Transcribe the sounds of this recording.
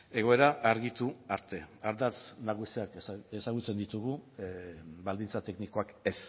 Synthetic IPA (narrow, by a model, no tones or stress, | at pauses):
e̞ɣ̞o̞e̞ɾaʔaɾɣit̪uaɾt̪e̞aɾd̪at͡snaɣusiakesaɣut͡se̞nd̪it̪uɣ̞u | bald̪int͡sat̪e̞kniko̞ake̞s